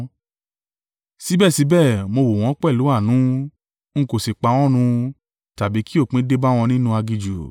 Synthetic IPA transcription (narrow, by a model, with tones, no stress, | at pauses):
si˨˦bɛ˦˨si˨˦bɛ˦˨mo˧wo˨w̃ɔ̃˨˦k͡pɛ˦˨lu˨˦a˦˨nũ˨˦ | ŋ̩˦ko˨si˨k͡pa˨˧w̃ɔ̃˦ɾ̃ũ˧ | ta˨bi˨˦ki˦o˦˨k͡pĩ˨˦de˦ba˦w̃ɔ̃˧nĩ˦nũ˦a˧ɡi˧d͡ʒu˨